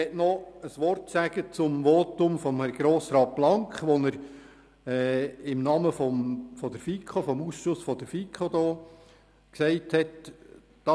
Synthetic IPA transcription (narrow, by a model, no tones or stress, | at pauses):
ɛtnɔəsʋɔrtsæɡ̥ət͡sʊmʋoːt̪ʊmfɔmhɛɾɡ̥ɾoːsɾɑːt̚b̥lɑŋkχʋɔnəɾ | ɛːɪmnɑməfɔmfɔd̥̪əɾfikʰχofɔmusʃʊsfɔd̥̪əɾfikʰχod̪ɔː | ksɛɪthɛt | d̥ɑ